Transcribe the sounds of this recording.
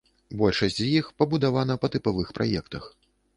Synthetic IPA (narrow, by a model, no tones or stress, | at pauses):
bɔlʲʂɐsʲtʲzjixpɐbud̪avanɐpɐt̪ɨpavɨxpɾʔa̰jɛkt̪ɐx